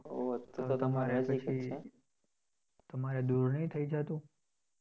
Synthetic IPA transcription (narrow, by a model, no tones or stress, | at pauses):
ot̪ot̪əmaɾepət͡ʃʰie | t̪əmaɾed̪uɾnəit̪ʰəid͡ʒat̪ũ